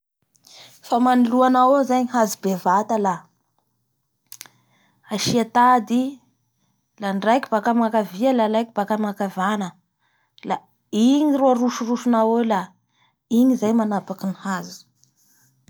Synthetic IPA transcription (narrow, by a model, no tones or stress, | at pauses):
famaniluanawozaɲiɦazibevat̪əla | aʃiat̪ad̪i | laɳɖ͡ʐajkʲi̥b̥akamakaviəlalajkib̥akamakavanə | la | iɲiroaɾuʃuruʃunawela | iɲizajmanapakinihazi̥